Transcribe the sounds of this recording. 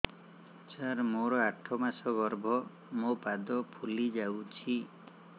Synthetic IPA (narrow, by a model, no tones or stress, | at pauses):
t͡ʃaɾmoɾɔaʈʰɔmasɔɡɔɾbʱɔ | mopad̪ɔpʰulid͡ʒawt͡ʃʰi